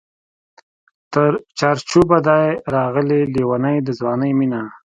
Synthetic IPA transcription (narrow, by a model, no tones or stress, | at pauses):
t̪əɾt͡ʃɑɾt͡ʃubad̪ɑjɾɑɣəleliwanəjd̪əzwɑnəjmina